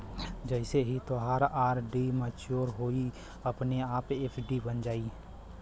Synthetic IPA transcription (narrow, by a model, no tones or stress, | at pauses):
d͡ʒɛɪseɦit̪oɦaːɾaːɾɖimət͡ʃoːɾɦoːi | ɐpneaːpeːpʰɖibənd͡ʒaːi